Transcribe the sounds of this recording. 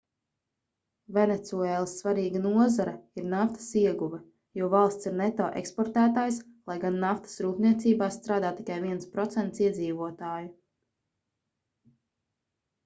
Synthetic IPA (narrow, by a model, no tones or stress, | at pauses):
vɛnet̪suɛːlˠsːvaɾiːɡanuɔzaɾɐiɾnaft̪ḁsiɛɡuvɛ | juɔvalˠst̪siɾnɛt̪ɔːʔḛkspɔɾt̪æːt̪aːjs | lˠajɡanːaft̪ɐ̥sɾuːpniɛt̪siːbaːst̪ɾaːd̪aːt̪ːi̥kajviɛnspɾɔt̪sɛnt̪siɛd̪ziːvuɔt̪aːju